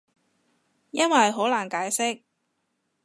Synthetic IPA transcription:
jɐ˥nwɐ˨jɦo˨˥wlaː˨˩nkaː˨˥jsɪ˥k̚

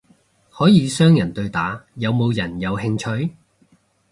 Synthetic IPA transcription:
hɔː˨˥jiː˨˧sœː˥ŋjɐ˨˩nt̪ɵ˧ɥt̪aː˨˥jɐ˨˧wmo˨˧wjɐ˨˩njɐ˨˧whɪ˧ŋt͡ʃʰɵ˧ɥ

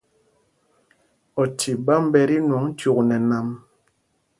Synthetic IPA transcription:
ɔ˨tʰi˨ba˦m˦bɛ˦ɾi˦nwɔ˨˦ŋ̩˦tu˨knɛ˨na˨m

